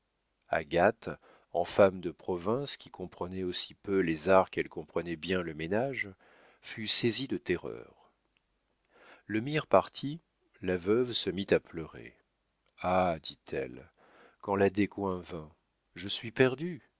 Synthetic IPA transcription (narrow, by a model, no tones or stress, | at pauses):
a̰ɡat̪ | ɑ̰̃famd̪əpχɔvɛ̃skʲikɔ̃pχənɛosi̥pølezaʁkɛlkɔ̃pχənɛbjɛ̃ləmenaʒ | fysezid̪ət̪ɛʁœ̰ːʁ | ləmiʁpaʁt̪ʰi | lavœvsəmit̪aplœʁḛ | ad̪it̪ʰɛ̰l | kɑ̃lad̪ekwɛ̃vɛ̃ | ʒəsɥipɛʁd̪y